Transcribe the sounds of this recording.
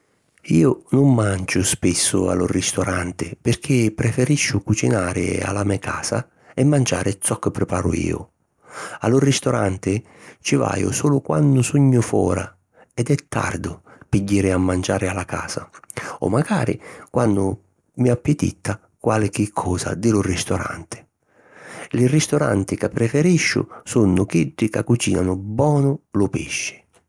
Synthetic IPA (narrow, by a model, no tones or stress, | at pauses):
iːʊnʊmːand͡ʒʊspɪsːʊ̰a̰lʊrist̪ɔɾant̪ɪpɪrk̟ʰɪpːɾɛfɛɾiʃːʊkut͡ʃinaːɾɪ̰a̰lamɛkʰaːsa̰ | ɛmːand͡ʒa̰ːɾɪt̪sɔkːɪpːɾɪpaːɾʊ̰ḭːʊ̰ | a̰lʊrist̪ɔɾant̪ɪ | t͡ʃɪva̰ːjʊ̰suːlʊkwa̰nːʊsuɲːʊfɔ̰ːɾa̰ | ɛd̪ɛt̪ːa̰rd̪ʊpiɟːiːɾɪamːand͡ʒaːɾɪalaka̰ːsaɔ̰mːaɡaːɾɪ̰kwanːʊ | miapːɪt̪ḭt̪ːa | kwalɪk̟ɪkʰːɔːsa̰d̪ɪlʊrist̪ɔɾa̰nt̪ɪ̥ | lɪrist̪ɔɾa̰nt̪ɪkapːɾɛfɛɾiʃːʊ̰sunːʊk̟iɖːɪkakːut͡ʃiːnanʊbɔːnʊlʊpiʃːɪ̥